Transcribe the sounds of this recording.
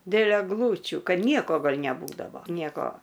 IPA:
dʲeːlˠ ɛɡˈlˠuːt͡ʃʲuː ˈkɐt ˈnʲiɛkoː ɡɐlʲ nʲɛˈbuːdɐʋoː ˈnʲiɛkoː

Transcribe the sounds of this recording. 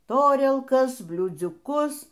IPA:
ˈtoːrʲiɛlˠkɐs bʲlʲuːd͡zʲʊˈkʊs

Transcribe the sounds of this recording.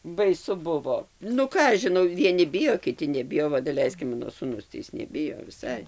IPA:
bɐɪˈsʊ ˈbʊʋoː nʊ ˈkɑː ɐʃ ʒʲɪˈnɐʊ ʋʲiɛˈnʲɪ ˈbʲɪjoː kʲɪˈtʲɪ nʲɛˈbʲɪjoː ˈʋɐ dɐˈlʲɛɪsk ˈmɑːnoː suːˈnʊs tɐɪ ˈɪs nʲɛˈbʲɪjoː ʋʲɪˈsɐɪ

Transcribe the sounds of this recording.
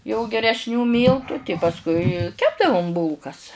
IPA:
jɛʊ ɡʲɛrʲɛsʲˈnʲuː ˈmʲiːlˠtʊ pɐsˈkʊɪ ˈkʲæːbdɐʋʊm ˈbuːlˠkɐs

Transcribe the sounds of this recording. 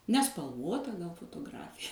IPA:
nʲɛspɐlˠˈʋoːtɐ foːtoːˈɡrɑːfʲɪjɛ

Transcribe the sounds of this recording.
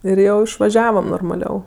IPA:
ɪr ˈjɛʊ ɪʃʋɐˈʒʲæːʋɐm noːrmɐˈlʲɛʊ

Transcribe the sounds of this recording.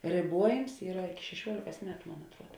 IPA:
rʲeːˈbuɔjɪms ˈiːrɐ ʃʲɛˈʃʲuɔlʲeːkɐs ˈmʲæːtʊ ˈmoːn ɐtˈruɔt

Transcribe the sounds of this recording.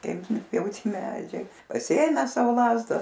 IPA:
ˈkɐɪp ˈjɛʊ ˈtʲiɛ ˈmʲæːd͡ʒʲɛɪ pɐsʲɪˈeːmʲæːs ˈsɐʊ ˈlˠɑːzdɐ

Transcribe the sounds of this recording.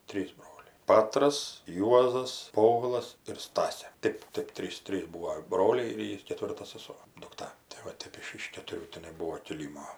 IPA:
ˈtʲrʲiːzˈbroːlʲɛɪ ˈpɑːtrɐs ˈjuɔzɐs ˈpoːʋʲɪlˠɐs ɪr ˈstɑːsʲeː ˈtɜp ˈtɜp ˈtʲrʲiːs ˈtʲrʲiːs ˈbuːoː ˈbroːlʲɛɪ ɪr ˈjiː kʲɛˈtʲʋʲɪrtɐ sɐˈsoː dʊkˈtɐ tɐɪ ˈʋɐ ˈtʲɛp ɪʃ ɪʃ kʲɛtʊˈrʲuː tʲɪˈnɐɪ ˈbuːoː kʲɪˈlʲiːmoː

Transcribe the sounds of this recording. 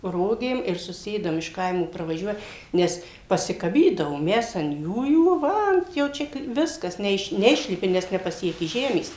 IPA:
ˈroːɡʲeːm ɪr sʊˈsʲeːdɐm ɪʃ ˈkɐɪmoː prɐʋɐˈʒʲuɔjɛ ˈnʲɛs pɐsʲɪkɐˈbʲiːdɐʋoːm ˈmʲɛs ɐn ˈjuːjuː ˈʋɐ ɐn jɛʊ ˈt͡ʃʲɛ kɐɪ ˈʋʲɪskɐs nʲɛˈɪʃ nʲɛˈɪʃʲlʲɪpʲɪ nʲɛs nʲɛpɐˈsʲiɛkʲɪ ˈʒʲæːmʲeːs

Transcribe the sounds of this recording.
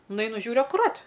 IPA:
nʊˈɐɪnʊ ˈʒʲuːrʲʊ ɐkʊˈrɐt

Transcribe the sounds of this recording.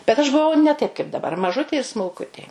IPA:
bʲɛt ɐʃ bʊˈʋɐʊ nʲɛ tɐɪp kɐɪp dɐˈbɐr mɐˈʒʊtʲeː ɪr smʊlˠˈkʊtʲeː

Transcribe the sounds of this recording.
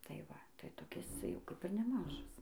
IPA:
tɐɪ ˈʋɐ tɐɪ toːˈkʲɪs ˈt͡sʲɛ jɛʊ ˈkɐp ɪr nʲɛˈmɑːʒɐs

